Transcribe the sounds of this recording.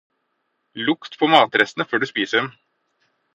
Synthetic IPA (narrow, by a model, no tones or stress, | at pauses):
lʊkt̪pʰɔːmɑːt̪ɾɛsnəføːɖʉːspiːsəɖɛm